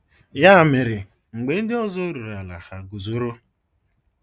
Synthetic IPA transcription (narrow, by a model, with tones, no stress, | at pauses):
ja˦˨me˨ɾɪ˨ | ŋ͡m̩˨ɡ͡be˨n̩˦dɪ˦ɔ˦zɔ˦ɾu˨ɾa˨la̰˨ha˨ɡu˨zo˦ɾo˦